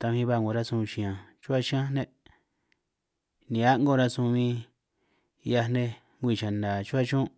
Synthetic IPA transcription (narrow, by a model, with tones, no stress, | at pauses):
t̪a˧βĩ˧βa˧˨ŋɡõ˨ɾa˦sũ˧ʃĩ˨ã˨t͡ʃu˦a˦˧ʃĩ˦ã˦nẽ˦ | nĩ˨a˦ŋɡõ˦˧ɾa˦˧sũ˧mĩ˧ | ja˧nẽ˧ | ŋɡʷi˦˧˨t͡ʃã˨nda˨t͡ʃu˦a˦t͡ʃõ˦